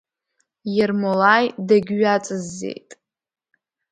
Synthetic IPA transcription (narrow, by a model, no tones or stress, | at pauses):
jɛrmolajdaɡʲɥat͡sʼɨzːḛjtʼ